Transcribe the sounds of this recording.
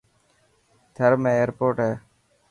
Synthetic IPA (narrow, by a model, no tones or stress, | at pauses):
t̪ʰəɾmẽːeːɾpoːʈɦeː